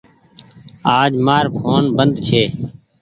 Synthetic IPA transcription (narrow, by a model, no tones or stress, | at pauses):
aːd͡ʒmaːɾpʰoːnbənd̪t͡ʃʰeː